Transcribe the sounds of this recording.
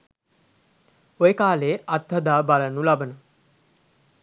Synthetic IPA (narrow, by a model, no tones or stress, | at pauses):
ojekaːleːʔat̪ːɐd̪aːbalənulabənə